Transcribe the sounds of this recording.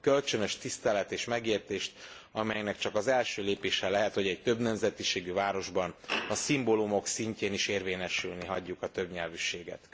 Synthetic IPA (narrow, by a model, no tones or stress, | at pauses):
kø̞lt͡ʃønø̞ʃt̪ist̪ɛlɛt̪eːʃmɛɡeːrt̪eːʃt̪ | ɒmɛjɛknɛkt͡ʃɒkɒzɛlʃøːleːpeːʃɛlɛɦɛt̪ho̞ɟɛɟt̪ø̞bnɛmzɛt̪iʃeːɡyvaːɾo̞ʒbɒnɒsimbo̞lumo̞ksiɲceːniʃeːrveːɲɛʃylniɦɒɟːukɒt̪ø̞bɲɛlvyʃeːɡɛ̰t̪